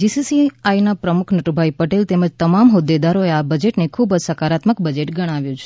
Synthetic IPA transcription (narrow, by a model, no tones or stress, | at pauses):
d͡ʒisisiajnapɾəmukʰnəʈubʱaipəʈelt̪eməd͡ʒt̪əmamɦod̪ːed̪aɾoeabəd͡ʒeʈnekʰubsəkaɾat̪məkbəd͡ʒeʈɡəɽ̃aʋjũt͡ʃʰ